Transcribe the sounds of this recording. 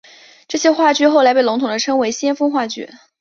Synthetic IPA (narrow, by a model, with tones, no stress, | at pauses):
ʈ͡ʂɤ˥˩ɕjɛ˥xwa˥˧t͡ɕy˥˧xo˥˩ʊla˧˥ɪpe˥˩lʊ˧˥ŋt̪ʰʊ˨˩ŋd̪ə˦ʈ͡ʂʰɤ˥ŋwe˧˥ɪɕjɛ˥nfɤ˥ŋxwa˥˧˩t͡ɕy̰˥˩